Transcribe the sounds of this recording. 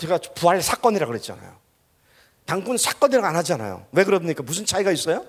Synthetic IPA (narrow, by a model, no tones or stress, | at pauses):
t͡ɕeɡapuaɭsʰak͈ʌɲiɾaɡɯɾet̚t͡ɕ͈a̰na̰jo̰ | taŋɡunsʰak͈ʌɲiɾaɡanɦad͡ʑiana̰jo̰we̞kɯɾʌbɲik͈amusʰɯnt͡ɕʰaiɡais͈ʌjo